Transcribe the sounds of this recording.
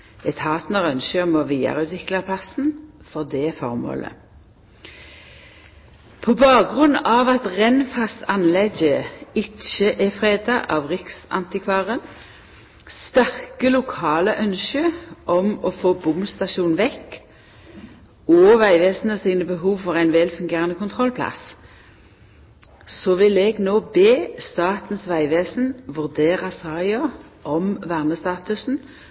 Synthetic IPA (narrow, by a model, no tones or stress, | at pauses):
ɛt̪hɑːt̪nɔʁœnʃəmɔʋiːə̰ʁʉːt̪ʰʋɪklɑpʰlɑsn̩fɔʁd̪ɛfɔʁmo̰ːlə̰ | pʰɔbɑːɡʁʉnːɑʋɑt̪ʁɛnfɑsɑnlɛɡəɪt͡ʃəʔɛfʁeːd̪ɑʔɑʋʁɪksɑ̰nt̪ɪkʰʋɑːʁən | st̪æʁkəlʊkʰɑːləʔœnʃøʔɔmɔfoːbʊmst̪ɑʃuːnʋɛkː | ɔːʋæɪʋeːsn̩əsiːnəbəɦuːʋfɔʁæɪnʋɛlfʉŋɡeːʁənəkʰʊnt̪ʰʁɔlpʰlɑ̰s | sɔʋɪlɛɡnoːbeːst̪ɑːt̪n̩sʋæɪʋeːsn̩ʋʉʁd̪eːʁɑsɑːɪɔ | ʔɔmʋæʁnəst̪ɑːt̪ʉsn̩